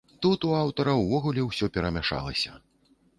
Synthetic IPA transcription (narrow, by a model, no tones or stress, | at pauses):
t̪ut̪uawt̪ɐɾɐwvɔɣulʲɛwsʲɔpʲɛɾɐmʲaʂa̰lˠɐsʲɐ̰